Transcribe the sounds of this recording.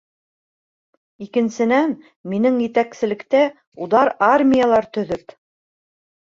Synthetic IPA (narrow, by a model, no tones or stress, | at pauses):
ikɘ̆nsɘ̆næn | minɘŋjɘ̆t̪æksɘ̆lɘ̆kt̪æ | uðɑɾarmʲijalˠɑɾt̪ɵ̆ðɵp